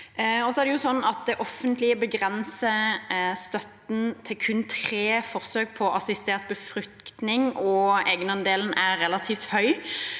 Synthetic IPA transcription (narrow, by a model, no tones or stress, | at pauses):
ɔsɔæʁd̪ɛjʊsɔnːɑt̪̚d̪ɛʔɔfːənt̪lɪəbəɡʁɛnsəst̪œt̪n̩t̪ʰɪlkʰʉnt̪ʰʁeːfɔʁsøːɡ̚pʰɔʔɑsɪst̪eːʁt̪̚bəfʁʉk̚tt̪nɪŋɔɛːɡnɑnd̪eːln̩æʁːɛlɑt̪ʰiːft̪hœʏ